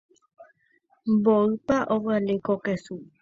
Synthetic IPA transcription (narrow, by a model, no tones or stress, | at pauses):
mboɨpaʔoβɨalekokesu